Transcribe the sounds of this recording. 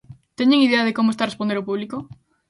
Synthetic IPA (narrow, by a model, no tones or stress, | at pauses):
t̪eɲeŋiðeɐðekomoest̪arespõnd̪eɾopuβliko